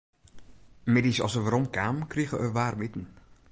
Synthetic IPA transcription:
mɪdisɑ̰lˠsəʋaɾɔmkaːmkriɣəʔəʋaːrʋɪtən̩

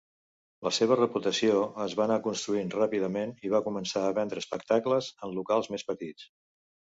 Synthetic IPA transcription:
ləseβ̞ərəput̪əsioəzβanakunst̪ɾuinrapiðəmeniβ̞akumənsaəβɛnd̪ɾəːspək̚t̪akləzənlukalˠzmespət̪it͡s

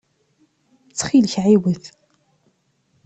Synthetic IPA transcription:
t͡sːχilçʕiwəθ

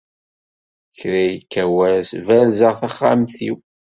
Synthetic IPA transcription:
çɾæjəkːæwæɾsvælzəʁθaχːa̰mθḭw

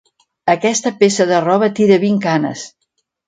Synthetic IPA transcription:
əkɛst̪əpesəðərɔβət̪iɾəβiŋkanə̰s

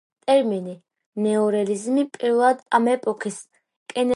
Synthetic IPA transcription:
t̪ʼɛɾmini | nɛɔɾɛlizmipʼiɾlˠad̪amɛpʼɔkʰis | kʼɛn

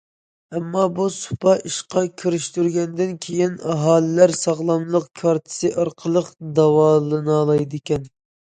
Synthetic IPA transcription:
ɛmːɑbusu̥pʰɑʔiʃqɑkʲʰyɾyʃt̪yɾɡʲɛnd̪ɪnkʲʰejinɑɦɑːlɪlæɾsɑʁlˠɑmlˠəqkʰɑɾt̪ʰɨ̥sɨʔɑɾqʰəlˠəqd̪ɑwɑːlˠɨnɑlˠɑjd̪ɪkʲɛn

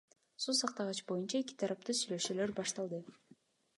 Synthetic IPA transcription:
susɑqt̪ɑʁɑt͡ʃbo̞junt͡ʃɑe̞ki̥t̪ʰɑɾɑp̚t̪usyjløʃyːløɾbɑʃt̪ɑlˠd̪ɯ

